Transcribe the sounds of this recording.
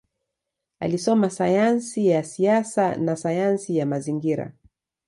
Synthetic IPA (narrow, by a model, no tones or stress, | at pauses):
a̰lisɔmasajansijasiasanasajansijamaziŋɡiɾa̰